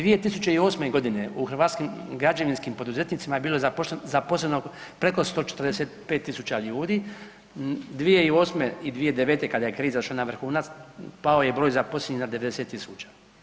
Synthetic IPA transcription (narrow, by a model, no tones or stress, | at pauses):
d̪ʋije̞t̪isut͡ɕe̞io̞ːsme̞ɡo̞d̪ine̞uxr̩ʋaːt̪skimɡɾad͡ʒaʋinskimpo̞d̪uze̞t̪nit̪simajebiːlo̞zapoʃezapo̞sleno | pɾe̞ko̞st̪o̞ːt͡ʃet̪ərd̪eset̪̚peːt̪ːisut͡ʃaʎuːd̪i | d̪ʋije̞io̞ːsmeid̪ʋije̞d̪eʋeːt̪e̞kad̪ajekɾiːzaʃanaʋr̩xuːnat̪spao̞je̞bɾo̞ːjzapo̞slʲeɲinad̪eʋe̞d̪e̞set̪ːisuːt͡ʃḁ